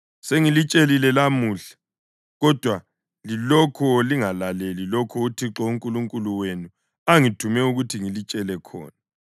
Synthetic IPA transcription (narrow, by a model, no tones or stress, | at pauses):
seŋilit͡ʃʼelilɛlamuːɬḁ | ɣɔd̥ʱwa | lilɔkʰɔliŋalalelilɔkʰɔutʰiǁɔuŋkʼuluŋkʼuluwenu | aŋitʰumɛuɣutʰiŋilit͡ʃʼɛlɛkʰɔ̰ːna